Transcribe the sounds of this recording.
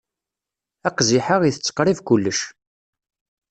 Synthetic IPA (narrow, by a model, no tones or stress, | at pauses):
æqziħəʁiθət͡sːə̥qɾˤivkʊlːəʃ